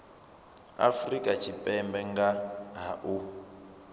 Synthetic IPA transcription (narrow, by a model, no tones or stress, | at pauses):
a̰frikʼat͡ʃʰipʼɛmbɛŋɡaɦaʔu